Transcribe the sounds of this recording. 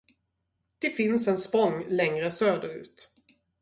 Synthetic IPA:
d̪̥ɛfɪnsɛnspɔŋːlɛŋɾəsøːd̪əɾʉ̟̰ːt̪

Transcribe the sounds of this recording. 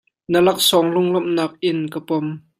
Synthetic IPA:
nəlɐk̚sɔŋlʊŋlɔmnaːk̚ʔɪnkapɔm

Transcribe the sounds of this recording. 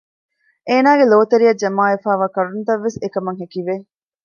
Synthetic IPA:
ʔeːnaːɡeloːt̪ɐɾiɐd͡ʒɐmaːefaːʋaːkɐɾunt̪ɐʋːesekɐmɐŋɦekiʋe

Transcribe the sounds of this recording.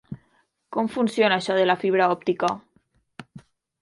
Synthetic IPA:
komfunsjonaːʃɔðelafiβ̞ɾaɔp̚t̪ika

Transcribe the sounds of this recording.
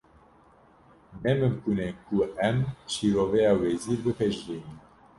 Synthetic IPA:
nɛmɨmkunenkuɛmʃiɾovɛjaːwɛziːɾbɨpʰɛʒɾini

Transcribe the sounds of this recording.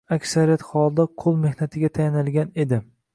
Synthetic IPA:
akʲsaɾijat̪hɒlˠd̪aqʰolˠme̞hnat̪ʰɪɡʲat̪ʰajanɪlɡʲane̞d̪ɪ

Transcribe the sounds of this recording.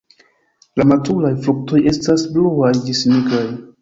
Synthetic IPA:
lamatulajfluk̚to̞je̞stasbluajdismikaj

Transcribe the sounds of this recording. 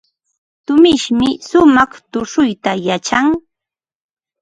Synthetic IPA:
t̪ʊmɪʃmɪsʊmɑχt̪ʊʂʊjt̪ajat͡ʃaŋ

